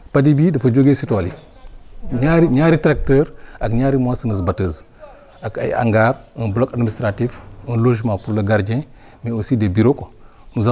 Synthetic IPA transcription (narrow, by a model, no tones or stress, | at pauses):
padibidɐfɐd͡ʒoɡesitoli | ɲaɾiɲaɾitɾak̚təɾakɲaɾimasinəzbatəz | aka̰jḭa̰ŋɡaɾinblokadmistɾatifinloʒmapuɾlaɡaɾd͡ʒẽ | miosidebiɾoko | nuza